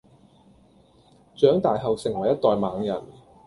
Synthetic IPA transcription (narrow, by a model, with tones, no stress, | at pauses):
t͡ʃœː˨˥ŋt̪aː˨jɦɐ˨wsɪ˨˩ŋwɐ˨˩jːɐ˥t̚t̪ɔː˨jmaː˨˧ŋjɐ˨˩n